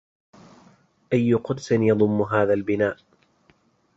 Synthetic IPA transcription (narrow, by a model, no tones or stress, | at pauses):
ʔajːʊqʊd̪sɪnjɑðˤʊmːʊɦaːðalbɪnaːʔ